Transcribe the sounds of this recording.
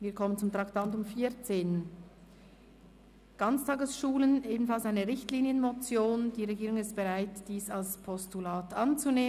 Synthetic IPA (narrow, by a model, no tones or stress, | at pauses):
viːɐkʰɔmənt͡sʊmt̪ʁaktantʊmfiːɐt͡seːn | ɡ̥ɑnt͡stʰɑːɡəsʃuːləneːbn̩falsaɪnəʁɪçtliːnjənmot͡sjoːnd̥iːʁeɡiːʁʊŋɪst̚b̥eʁaɪtd̥iːsalspʰɔstulaːtʰɑnt͡suneː